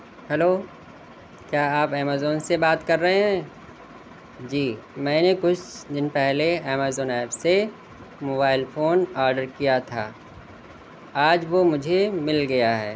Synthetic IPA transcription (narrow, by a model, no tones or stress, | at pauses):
hɛloː | kjaːaːpɛːmaːzoːnsebaːt̪kɐɾːɐɦeɦɛ̃ː | d͡ʒiːmɛ̃ːnekʊt͡ʃʰd̪ɪnpɛɦleɛːmaːzoːnɛːpse | moːbaːɪlfʰoːnaːɾɖəɾkijat̪ʰa̰ː | aːd͡ʒʋomʊd͡ʒʱemɪlɡɐjaɦɛ̰ː